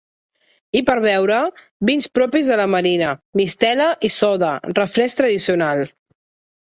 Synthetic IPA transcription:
ipəɾβ̞ɛwɾə | binspɾɔpizðələməɾinəmist̪ɛləʔisɔðərəfɾɛst̪ɾəðisiunalˠ

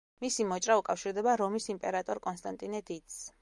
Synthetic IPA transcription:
misimɔt͡ʃʼɾaukʼafʃiɾd̪ɛbaɾɔmisimpʼɛɾat̪ʼɔɾkʼɔnst̪ʼant̪ʼinɛd̪it̪s

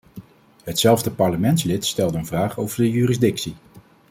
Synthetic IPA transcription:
ɦətsɛlˠvdəpɑɹləmɛntslɪtstɛlˠdəənvraːχowvəɹdəjyːrɪzdɪksi

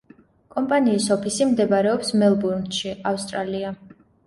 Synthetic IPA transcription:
kʼɔmpʼaniːsɔpʰisimd̪ɛbaɾɛɔpsmɛlˠbuɾnt̪ʃiafst̪ʼɾalia

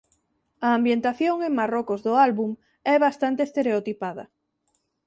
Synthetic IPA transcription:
ɐːmbjent̪aθjoŋeŋmarɔkʊzðʊalβuŋ | ɛβast̪ant̪est̪eɾeot̪ipaðɐ̰

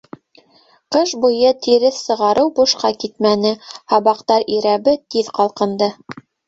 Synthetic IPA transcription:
qɤʃbujɤt̪iɾɘθsɤ̆ʁɑɾʔɤwbuʃqɑkit̪mænɘhɑβɑqt̪ɑɾiɾæβɘt̪iðqɑlˠqɤ̆nd̪ɤ

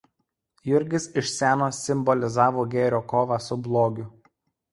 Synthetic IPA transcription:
jʊɾʲɡʲɪsɪʃʲsʲæːnoːsʲɪmbɔlʲɪzɑːʋoːɡʲeːɾʲoːkoːʋɑsʊblˠoːɡʲʊ

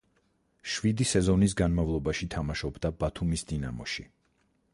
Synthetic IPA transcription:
ʃvid̪isɛzɔnis̬ɡanmavlˠɔbaʃit̪ʰamaʃɔbd̪abat̪ʰumisd̪inamɔʃi

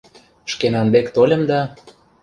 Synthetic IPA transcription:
ʃkenɑnb̪ekt̪olʲə̆md̪ɑ

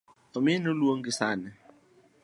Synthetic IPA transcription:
ominulwoŋɡisaːnɛ

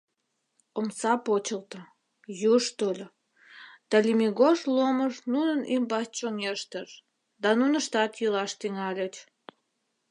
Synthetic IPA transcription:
omsɑpot͡ɕəlt̪ə | juʃt̪olʲ | d̪̥ɑlʲimiɣoʃloməʃnunənʔimbɑst͡ɕoŋeʃt̪əʃ | d̪ɑnunəʃt̪ɑt̪jəlɑʃt̪iŋɑlʲət͡ɕ

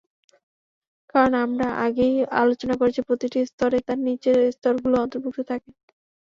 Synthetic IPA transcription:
kaɾonamɾaʔaɡeja̰lot͡ɕonakoɾet͡ɕʰipɾot̪iʈist̪ɔɾet̪aɾnit͡ɕest̪ɔɾɡuloɔnt̪oɾbʱuk̚t̪ʰot̪ʰake

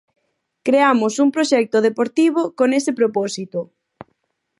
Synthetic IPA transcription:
kɾeamʊsumpɾoʃɛk̚t̪ʊðepoɾt̪iβ̞okonesɪpɾopɔsit̪ʊ

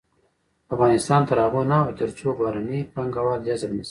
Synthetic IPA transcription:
afɣɑnɪst̪ɑːnt̪aɾɑɣonaod̪ɪɾt͡ʃobɑɾanipaŋɡawɑd̪jazabnis

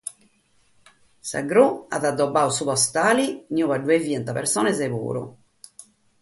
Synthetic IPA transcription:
sa̰ɡɾua̰ðad̪ːɔbaːusuβɔst̪aːlinjuːβaɖuevjɛnt̪apɛ̰ɾsɔːnɛzeβṵːɾṵ

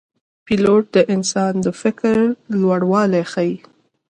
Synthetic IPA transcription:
piloʈ̚d̪əʔɪnsɑnd̪əfɪkɾlwaɽwɑlexaji

